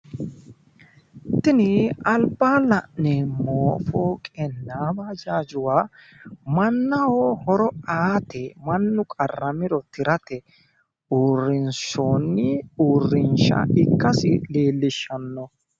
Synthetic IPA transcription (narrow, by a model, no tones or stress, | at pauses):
t̪ɪnɪɐlbaːlɐʔnɛmoːfoːkʼɛnːaːbaːd͡ʒaːd͡ʒʊwaː | mɐnːɐwohɔɾɔaːt̪ɛmɐnːʊkʼɐrːɐmɪɾɔt̪ɪɾɐt̪ɛ | uːrːɪnʃoːnːɪuːrːɪnʃɐ̰ɪkːɐsɪ̰leːlːɪʃːɐnːɔ